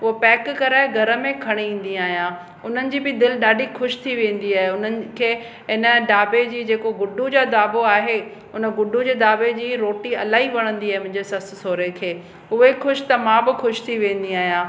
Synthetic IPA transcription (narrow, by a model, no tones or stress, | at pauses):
ʊɦopɛːkkɐɾaːeɡʱɐɾə̆mẽkʰɐɽ̃iĩːn̆d̪iaːɦijãː | ʊn̤ənɪ̆d͡ʑiːbɪd̪ɪlɗaːɖʱixʰʊʃt̪ʰiʋẽːn̆d̪iaːɦeʊn̤ənɪ̆kʰeː | ɪnə̆ɖaːbed͡ʑiːd͡ʑeːkoɡʊɖud͡ʑad̪aːboaːɦe | ʊnə̆ɡʊɖʱud͡ʑeːd̪aːbed͡ʑiːɾoːʈiɐlaːiʋɐɽ̃ə̃nd̪iaːɦemʊ̃ɦɪ̃d͡ʑesɐst̪soːɾekʰeː | ʊɦexʰʊʃt̪ɐmãbɪxʰʊʃt̪ʰiʋẽːn̆d̪iaːɦijãː